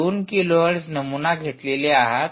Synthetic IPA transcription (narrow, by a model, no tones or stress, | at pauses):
oːnkiloɦəɽsnəmunaɡʱet̪leleaɦat̪